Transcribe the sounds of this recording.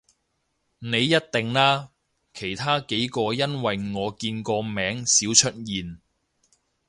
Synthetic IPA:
ne˨˧jːɐ˥t̚t̪ɪ˨ŋlaː˥ | kʰe˨˩jt̪ʰaː˥ke˨˥jkɔː˧jɐ˥nwɐ˨jŋɔː˨˧kiː˧nkɔː˧mɛː˨˧˥ŋsiː˨˥wt͡ʃʰɵ˥t̚jiː˨n

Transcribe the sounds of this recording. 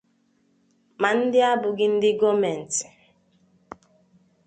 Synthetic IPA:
ma˨n̩˦dɪ˦a˦bʊ˨ɡɪ˦n̩˦dɪ˦ɡɔ˦mɛ˨n̩˨tɪ̥˨

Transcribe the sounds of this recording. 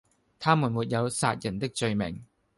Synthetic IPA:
t̪ʰaː˥muː˨˩nmuː˨˩t̚jɐ˨˧wsaː˧t̚jɐ˨˩nt̪ɪ˥k̚t͡sɵ˧ɥmɪ̰˨˩ŋ

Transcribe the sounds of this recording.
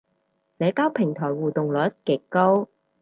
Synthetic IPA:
sɛː˨˥kaː˥wpʰɪ˨˩ŋt̪ʰɔː˨˩jwuː˨t̪ʊ˨ŋlɔ˨˥t̚kɪ˨˥˩ko˥w

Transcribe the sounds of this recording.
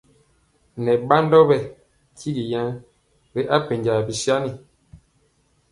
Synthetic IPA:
nɛ˨ba˦ndɔ˦bɛ˨ | ki˦ɡi˨jã˦n | bɛ˦ʔa˦pe˨ɲɟa˨bi˨sja˦ni˨

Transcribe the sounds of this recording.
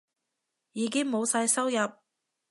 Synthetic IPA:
jiː˨˧k̬ɪ˥ŋmo˨˧wsaː˧jsɐ˥wjɐ˨p̚

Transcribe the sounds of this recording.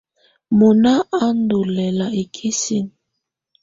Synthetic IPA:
mo˨na˦a˦n˦do˨lɛ˨la˨e˨kʰi˦si˦n

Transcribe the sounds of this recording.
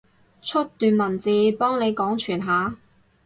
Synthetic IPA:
t͡ʃʰɵ˥t̚t̪yː˨nmɐ˨˩nt͡siː˨˧pɔː˥ŋnle˨˧jkɔː˨˥ŋt͡ʃʰyː˨˩nɦaː˨˥

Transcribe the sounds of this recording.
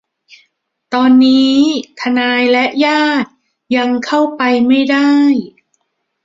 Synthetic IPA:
t̪ɔː˧nːiː˦˥t̪ʰa˧naː˧jlɛ˦˥ʔjaː˥˩t̪̚ | ja˧ŋkʰa˥˩wpa˧jma˥˩jda˥˩j

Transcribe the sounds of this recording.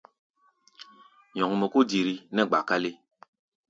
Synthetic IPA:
ɲɔ̃˨ŋ˨mɛ˨ko˦di˨ɾi˨nɛ˦˨ɡ͡ba˨ka˦le˦

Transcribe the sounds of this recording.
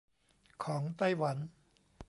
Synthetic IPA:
kʰɔː˩˦ŋt̪a˥˩jwa˩˦n

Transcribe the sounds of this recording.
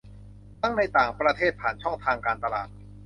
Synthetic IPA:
t̪a˥˩ŋna˧jt̪aː˨˩ŋpɾa˧t̪ʰeː˥˩t̪̚pʰaː˨˩nt͡ɕʰɔ˥˩ŋt̪ʰaː˧ŋkaː˧nt̪a˧laː˨˩t̪̚

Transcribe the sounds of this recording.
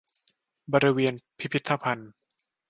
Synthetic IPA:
bɔː˧ɾi˧weː˧ənpʰi˦˥pʰi˦˥t̪ʰːa˧pʰa˧n

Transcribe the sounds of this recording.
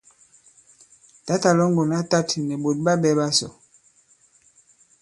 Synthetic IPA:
ta˦ta˨lɔ˦ŋɡɔ˨na˦ta˦tnɛ˨bo˨t̚ba˦bɛ˦ba˦sɔ̰˨

